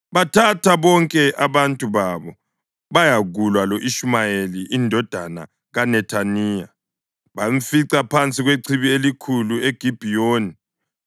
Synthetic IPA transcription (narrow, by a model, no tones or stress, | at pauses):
βatʰatʰaβɔŋkʼɛʔaβantʼuβaβɔ | βajaɣulwalɔʔiʃumajeliːndʱɔd̥ʱana̰ | ɣanɛtʰaniːja̰ | βaɱ̩fiǀapʰant͡sʼiɣweǀʰiβielikʰulueɡ̥ʱib̥ʱijoːni